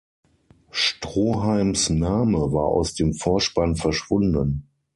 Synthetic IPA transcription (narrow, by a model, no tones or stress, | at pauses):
ʃtʁ̥oːɦaɪmsnaːməva̰ːɐʔa̰ʊsd̥eːmfoːɐʃpanfɛɐʃv̥ʊndən